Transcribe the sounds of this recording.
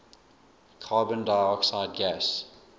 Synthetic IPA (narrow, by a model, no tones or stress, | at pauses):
kʰɑːbə̃ndaɪɔksaɪd̚ɡæs